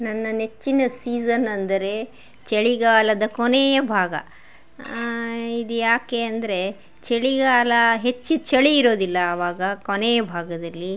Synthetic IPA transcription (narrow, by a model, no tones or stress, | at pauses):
nɐnːɐnet͡ʃːinɐsiːsɐnɐnd̪ɐɾe̞ | t͡ʃeɭiɡaːlɐd̪ɐkoneːjɐbʱaːɡɐ̰ | id̪ujaːke̞ɐnd̪ɐɾe̞ | t͡ʃeɭiɡaːlɐɦe̞t͡ʃːut͡ʃɐɭiːɾo̞ːd̪ilːɐːʋaːɡɐkoneːjɐbʱaːɡɐd̪ɐlːi